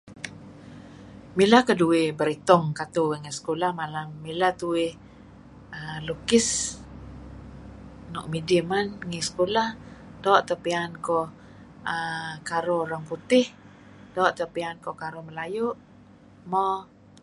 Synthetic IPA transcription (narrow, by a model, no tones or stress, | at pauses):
milakəduɪbəɾit̪ɔŋkat̪uəŋɛsə̥kulahmalamːilat̪uɪ | əlukɪs | nɔʔ̚midimanŋisə̥kolahdɔːʔt̪əpiankɔ | əkaɾɔɾaŋput̪ɪh | dɔːʔt̪əpiankɔkaɾɔməlajʊʔ | mɔ